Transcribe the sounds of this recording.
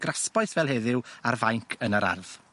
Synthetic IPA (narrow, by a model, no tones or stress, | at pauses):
ɡ̥raspɔjθvɛlˠhɛðɪwarvajŋkʰənəɾa̰rð̥